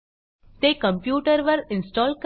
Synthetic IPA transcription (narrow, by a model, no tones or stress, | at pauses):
d̪̥ekə̃mpjuːʈəɾʋəɾɪ̃nsʈɔːlk